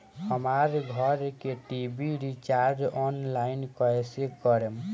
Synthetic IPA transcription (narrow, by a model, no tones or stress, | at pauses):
həmaɾɡʱɔɾkeʈibiɾit͡ʃaɾɖɔnlainkɔesekɔɾem